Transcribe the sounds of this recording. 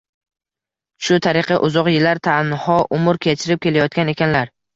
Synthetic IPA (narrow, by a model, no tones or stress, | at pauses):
ʃʊt̪ʰaɾɪqʰɨʔʊzɒqjɪlːaɾt̪ʰanhɒʔʊmʊɾkʲʰet͡ʃʰɪɾɪp̚kʲʰe̞lajɒt̪̚kʲane̞kʲanlaɾ